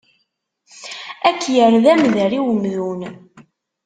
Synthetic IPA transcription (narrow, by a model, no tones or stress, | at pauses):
ækːjəɾðæmðəɾiwəmðun